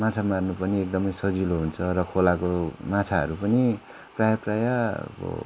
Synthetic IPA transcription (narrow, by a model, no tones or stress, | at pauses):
mãt͡sʰamarnupʌniek̚d̪ʌmʌjsʌd͡ziloɦunt͡sʰʌɾʌkʰolakomãt͡sʰaʌ̰ɾupʌni | prajapraja̰